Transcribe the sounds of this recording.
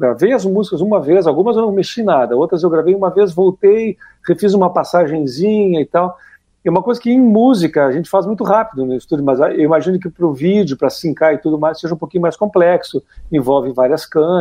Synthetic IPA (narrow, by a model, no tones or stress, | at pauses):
ɡɾavejɐzmuzikɐzũmɐvezawɡũmɐzewnɐ̃w̃meʃinad̪ɐowt̪ɾɐzewɡɾavejũmɐvezvowt̪ej | hefizũmɐpasaʒẽj̃zĩɲɐɪt̪aw | ɛũmɐkojzɐkɪẽj̃muzikɐaʒẽnt͡ʃɪ̥fazmũj̃t̪ʊɦapid̪ʊnʊist̪ud͡ʒʊmɐzaewimaʒĩnʊk̬ɪpɾʊvid͡ʒjʊpɾɐsĩŋkaɪt̪ud̪ʊmajsseʒɐũpowkiɲʊmajskõmplɛksʊẽvɔwvɪvaɾiɐskɐ̃